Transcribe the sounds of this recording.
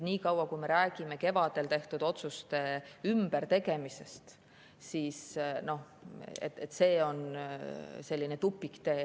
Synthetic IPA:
niːkɑwɑkujme̞ɾæːɡ̥ime̞ke̞vɑd̪̥e̞lt̪e̞ht̪ud̪̥o̞t̪sust̪e̞ymb̥eɾt̪e̞ɡe̞mise̞st̪ | siːsno̞h | ḛt̪et̪ːˑse̞ːo̞n | se̞lʲːine̞t̪upːˑikt̪e̞ː

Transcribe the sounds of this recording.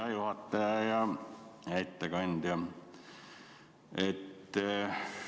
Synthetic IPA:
ɑjuhɑt̪ːɑjɑjɑ | æit̪ːekɑnʲd̪̥jɑ | et̪ː

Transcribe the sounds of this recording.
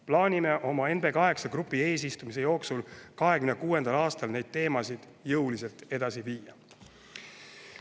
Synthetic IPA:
plɑːnʲime̞ʔo̞mɑe̞nb̥e̞kɑɦe̞ksɑkrupːˑie̞ːs̬ist̪umise̞jo̞ːksulkɑɦe̞kymnekuːe̞nd̪ɑlɑːst̪ɑlne̞jd̪̥̚t̪e̞ːmɑsid̪̥ | jɤwlise̞lt̪e̞d̪̥ɑsiviːjɑ

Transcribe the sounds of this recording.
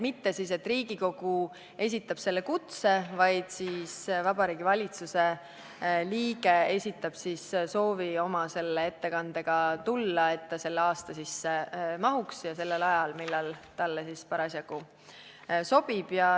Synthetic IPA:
mit̪ːe̞siːse̞t̪ːˑriːɡiko̞ɡ̥u | e̞s̬ʲit̪ːˑɑb̥se̞lːe̞kut̪se̞vɑjd̪̥siːsvɑb̥ɑɾiːɡivɑlʲit̪suse̞ | liːɡe̞e̞sʲit̪ːˑɑb̥sisso̞ːvio̞mɑse̞lːe̞e̞t̪ːe̞kɑnd̪̥e̞ɡ̥ɑt̪ulːɑe̞t̪ːɑse̞lːeɑːst̪ɑsisːemɑɦuksjɑse̞lːelɑjɑlmilːɑlt̪ɑlːesispɑɾɑsjɑku | so̞b̥ib̥jɑ

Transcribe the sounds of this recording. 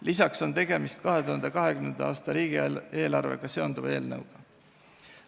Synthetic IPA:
lʔisɑkso̞nt̪e̞ɡe̞mist̪̚kɑɦe̞t̪uɦɑnd̪ekɑɦe̞kymnend̪ɑɑːst̪ɑɾiːɡ̥ie̞ːlɑrve̞̰ɡ̥ɑse̞o̞nd̪̥uve̞ːlnɤwɡ̥ɑ

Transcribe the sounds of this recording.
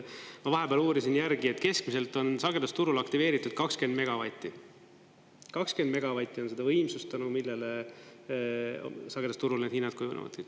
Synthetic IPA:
mɑvɑɦe̞beæːluːɾisinjæɾɡie̞t̪ːke̞skmise̞lt̪ˑo̞nsɑɡ̥ed̪ɑst̪uɾulɑkt̪ive̞ːɾit̪ːˑud̪̥̚kɑkske̞nd̪me̞ɡ̥ɑvɑjt̪ˑːi | kɑkske̞nd̪me̞ɡ̥ɑvɑjt̪ːˑionse̞d̪ɑvɤjmsust̪ːˑɑnumilːele | sɑɡ̥ed̪ɑst̪uɾulned̪hinːɑt̪̚kujunḛvɑ̰t̪ː

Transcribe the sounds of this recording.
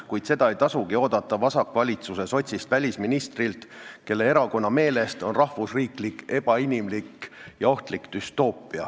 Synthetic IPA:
kujd̪̥se̞d̪ɑejt̪ɑsuɡ̥io̞ːd̪ɑt̪ːˑɑvɑsɑkːˑvɑlʲit̪suse̞so̞t̪ʲsist̪vælʲisminist̪rilt̪ke̞lːe̞e̞ɾɑko̞nːɑme̞ːle̞st̪o̞nrɑhvusriːklikːe̞b̥ɑinʲimlikːjɑo̞ht̪likd̪̥yst̪o̞ːpˑːiɑ̰

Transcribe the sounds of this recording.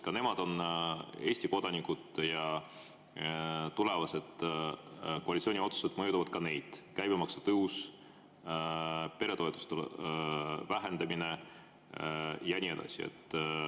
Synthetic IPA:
kɑne̞mɑd̪̥o̞ne̞ːsʲt̪iko̞d̪̥ɑnikːˑud̪jɑ | t̪ule̞vɑsed̪̥ | ko̞ɑlit̪sio̞ːnʲio̞t̪su̥se̞d̪̥mɤjut̪uvɑd̪̥̚kɑne̞jd̪̥kæjb̥emɑksɑ̥t̪ɤus | pe̞ɾe̞t̪o̞et̪ːˑu̥st̪el | væɦe̞nd̪ɑmine̞ | jɑænʲie̞d̪ɑ̰siḛt̪ːˑ

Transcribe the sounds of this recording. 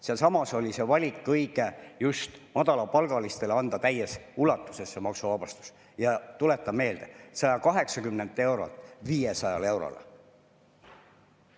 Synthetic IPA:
selsɑmɑso̞lʲise̞vɑlʲikːɤjɡ̥e̞just̪mɑd̪ɑlɑpɑlɡ̥ɑlist̪e̞leɑnd̪̥ɑt̪æjesulɑt̪ːˑu̥se̞sːemɑksuvɑb̥ɑst̪u̥s | jɑt̪ule̞t̪ːˑɑme̞ːld̪̥e̞sɑjɑkɑɦe̞ksɑkymne̞nd̪ˑe̞wɾo̰lt̪ˑviːjesɑjɑle̞wɾo̰l

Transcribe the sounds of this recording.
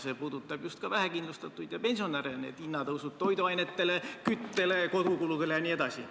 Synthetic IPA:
se̞puːd̪̥ut̪ːˑɑb̥just̪kɑvæɦækind̪lust̪ɑt̪ːˑujd̪̥jɑpe̞nʲsio̞næɾenḛt̪inːɑt̪ɤwsut̚t̪o̞jd̪uɑjnet̪ːe̞lekyt̪ːe̞le̞ko̞d̪ukulud̪elejɑnied̪ɑsi

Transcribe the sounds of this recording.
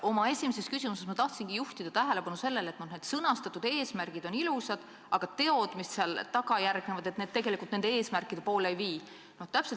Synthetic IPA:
o̞mɑe̞sʲimese̞skysimusesmɑt̪ɑht̪siŋɡ̥ijuht̪id̪̥ɑt̪æɦele̞pɑnuse̞lːe̞le̞t̪noneːd̪̥sɤnɑst̪ɑt̪ːˑud̪̥e̞ːsmærɡ̥id̪̥o̞nilusɑd̪̥ | ɑɡ̥ɑt̪e̞o̞d̪̥misseɑlt̪ɑɡ̥ɑjærɡ̥ne̞vɑd̪et̪ne̞d̪t̪ːe̞ɡ̥e̞likult̪nend̪ee̞ːsmærkːˑid̪̥e̞po̞ːleejviː | no̞ht̪æpset

